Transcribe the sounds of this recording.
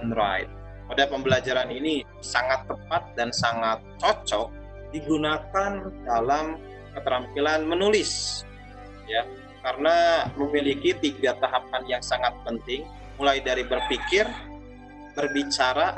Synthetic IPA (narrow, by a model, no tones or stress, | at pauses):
nɾa̰ɪ̰t̪̚ | odapəmbəlad͡ʒaɾanini | saŋat̪ːəpat̪̚dansaŋat̪̚t͡ʃɔt͡ʃɔk̚ | diɡunakandalam | kət̪əɾampilanmənulɪs | ja | kaɾənaməmilikit̪iɡat̪aɦap̚anjaŋsaŋat̪̚pənt̪ɪŋ | mulajdaɾibərfikɪr | b̥ərbit͡ʃaɾa